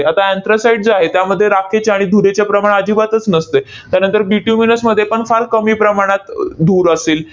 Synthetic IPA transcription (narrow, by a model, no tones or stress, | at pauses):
eat̪aent̪ɾəsaiɖd͡zaɦet̪jaməd̪ʱːjeɾakʰet͡ɕaaɽ̃id̪ʱuɾet͡ɕjapɾəmaɽeəd͡ʑiːbat̪ət͡snəst̪e | t̪jaɾnənt̪əɾbiʈjuminəsməd̪ʱːjepəɳfalkəmiːpɾəmaɽ̃at̪d̪uːɾəseːl